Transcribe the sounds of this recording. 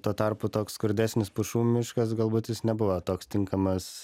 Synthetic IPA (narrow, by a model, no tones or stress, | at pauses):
t̪uɔt̪ɐɾpʊt̪oːksːkʊɾʲd̪ʲæːsʲnʲɪspʊʃuːmʲɪʃkɐs̬ɡɐlˠbuːt̪jɪsnʲɛbʊʋot̪oːkst̪ʲɪŋkɐmɐs